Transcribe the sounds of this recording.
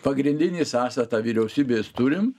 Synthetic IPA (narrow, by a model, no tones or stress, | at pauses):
pɐɡɾʲɪnʲd̪ʲɪnʲiːsɑːst̪ɐt̪ɑːʋʲiɾʲɛʊsʲiːbʲeːst̪ʊɾʲɪm